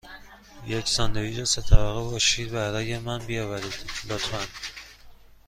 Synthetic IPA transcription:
jecʰsɒːnd̪eviːɾɒset̪ʰævæɣebɒːʃiːd̪bæɾɒːjemænbijɒːvæɾid̪̥lot̪ʰfæn

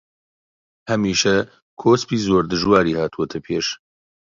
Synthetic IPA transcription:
hɐmiːʃɐ | kʰoːspiːzoːɾd̪ɨʒwaːɾiːhaːt̪ʰuɐt̪ʰɐpʰeːʃ

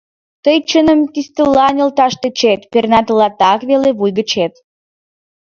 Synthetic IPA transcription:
t̪əjt͡ɕənəmkist̪əlɑnʲəlt̪ɑʃt̪et͡ɕet̪pernɑt̪əlɑt̪ɑkβeleβujɡət͡ɕet̪

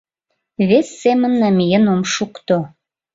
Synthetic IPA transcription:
βesːemənːæmjənomʃukt̪o

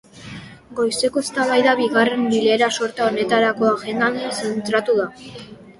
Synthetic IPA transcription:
ɡo̞jse̞ko̞est̪aβajðaβiɣare̞mbile̞ːɾaso̞ɾt̪aone̞t̪aɾako̞aɣe̞nd̪and̪isent̪ɾat̪uða

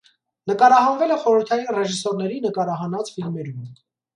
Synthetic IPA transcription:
nəkɑɾɑɦɑnvɛlɛχɔɾəɾt̪ʰɑjinrɛʒisɔɾnɛɾinəkɑɾɑɦɑnɑt͡sfilmɛɾum

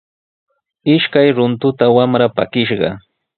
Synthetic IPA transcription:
ɪʃkajɾʊnt̪ʊt̪awamɾapa̰kɪʃɢɑ̰

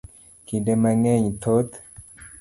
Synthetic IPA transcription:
kidemaŋeɲt̪ʰot̪

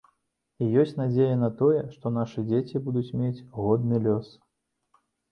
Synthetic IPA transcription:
ijɔsʲt͡sʲnad͡zʲejɐnɐt̪ɔjɛʂt̪ɔnaʂɨd͡zʲet͡sʲibud̪ut͡sʲmʲet͡sʲɣɔd̪̚nɨlʲɔs

